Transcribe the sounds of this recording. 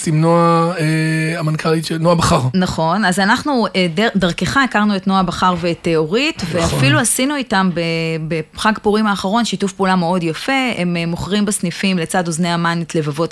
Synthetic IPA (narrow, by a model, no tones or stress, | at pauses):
simnoaeamankʰaliʃenoabaχaʁnaχo̞nazanaχnueddaʁkeχaekaʁnuetno̞abaχaʁveːtːeo̞ʁitve̞afiluasinuitambebeχaɡpuʁimaːχaʁo̞nʃitufpulameo̞djafe̞emːoχʁimbesnifimle̞t͡sadozneamanetle̞vavo̞t